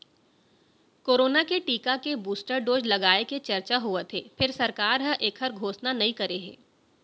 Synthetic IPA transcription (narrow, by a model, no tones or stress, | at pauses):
koːɾoːnakeʈiːkakebuːsʈəɾɖoːd͡ʒlɐɡaːeket͡ʃɐɾt͡ʃaɦuet̪ʰeːfɪɾsɐɾkaːɾɦə̃ʔeːkʰɦəɾɡʱoːsnanɐɦĩkɐɾeɦɛ̰̃ː